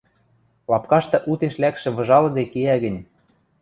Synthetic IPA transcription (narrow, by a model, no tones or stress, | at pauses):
lɑpkɑʃt̪ɤ̆ʔut̪eʃlækʃĕβɤ̆ʒɑlɤ̆d̪ekeæɣə̆nʲ